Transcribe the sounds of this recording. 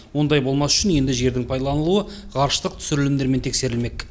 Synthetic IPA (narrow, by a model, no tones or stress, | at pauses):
wo̞nd̪ɑjbo̞lˠmɑsʏ̥ʃɪnje̞nd̪ɪʒe̞ɾd̪ɪŋpʰɑjd̪ɑlˠɑnəlˠuə | qʰɑɾʃət̪əq̚t̪ʰʏ̥sɪɾɪlɪmd̪e̞ɾment̪ʰe̞kse̞ɾɪlme̞k